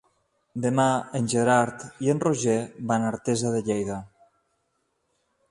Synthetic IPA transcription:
d̪emaenʲʒeɾaɾt̪ienroʒebanaɾt̪ezaðeʎejða

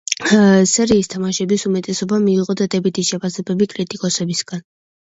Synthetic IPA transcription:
sɛɾiːst̪ʰamaʃɛbisumɛt̪ʼɛsɔbamiːʁɔd̪ad̪ɛbit̪ʰiʃɛpʰasɛbɛbikʼɾit̪ʼikʼɔsɛbisɡ̥an

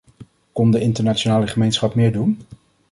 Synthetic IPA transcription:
kɔndəɪntəɹnat͡ʃonaːləχəmejnsχɑpmɪːɹdun

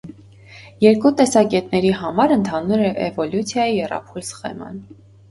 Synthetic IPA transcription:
jɛɾkut̪ɛsɑkɛt̪nɛɾiɦɑmɑɾənt̪ʰɑnuɾɛʔɛ̰vɔljut͡sʰjɑjiɛrɑ̰pʰulsχɛ̰mɑ̰n

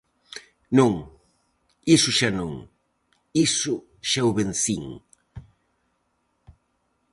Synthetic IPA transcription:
nũŋ | isʊʃanõŋ | isʊ | ʃawβenθiŋ

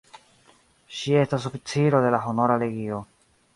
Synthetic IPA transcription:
ʃie̞stasofit͡siɾo̞de̞laɦono̞ɾaleɡio̞

